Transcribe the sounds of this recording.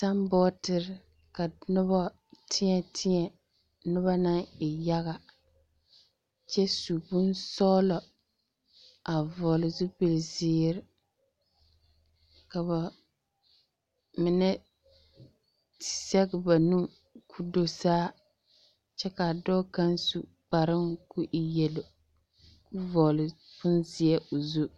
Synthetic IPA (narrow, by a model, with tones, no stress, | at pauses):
sa˦mbɔː˦tɪ˦ɾɪ˦ | ka˨nʊ˦bɔ˦ | tʰɪ˦ɲɛ˨tʰɪ˦ɲɛ˨ | nʊ˦ba˦na˦ŋɪ˨ja˦ɣa˨ | t͡ʃɛ˦su˨bʊ˦nsɔː˦lɔ˨ | a˨vɔ˨lɪ˨zu˦pɪ˨lzɪː˦ɾɪ˦ | ka˨ba˨ | mɪ˨nɛ˦ | tɪ̥˨sɛ˦ɡɪ˨ba˨nu˦ | kʰu˦do˨saː˦ | t͡ʃɛ˦ka˨dɔ˦ka˦nsṵ˨ | k͡pa˨ɾɪ˦ŋku˦ʔi˨jɛ˨lo˨ | kʊ˦vɔː˨lɪ˨ | bʊ˦nzɪ˦ɛ˦ʔʊ˨zu˦